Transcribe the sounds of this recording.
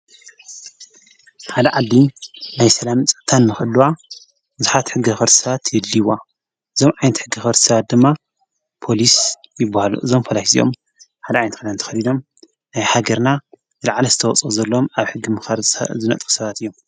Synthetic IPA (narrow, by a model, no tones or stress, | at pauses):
ħad̪ɐʕald̪inajsɐlamt͡sʼɨt̪ʰanːɨxɨlːuwa | bɨzuħat̪ħɨɡːixɐɾt̪ʰɨ̥sɐβat̪jɪdːiwa | ʔɨzo̞mʕajnɐt̪ħɨɡːixɐɾt̪ʰsɐβat̪̚d̪ɨmːa | pʰo̞lisjɪbːahalṵʔɨzo̞mfʰolakisḭjo̰m | ħad̪ɐaʕajnɐt̪xad̪ant̪ʰɐ̥xɐlid̪o̞m | najhaɡɐɾna | zɨlaʕlɐzɨt̪ʰɐwɔt͡sʼuzɐlːo̞maβħɨɡːimzɨnɐ̰t̪ʼxu̥sɐβat̪ɨjːo̞m